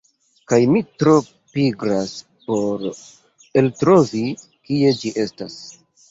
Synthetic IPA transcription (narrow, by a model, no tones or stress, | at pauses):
kajmitɾo̞ | piɡɾas | po̞ɾ | eltɾovi | kie̞d͡ʒiʔe̞stas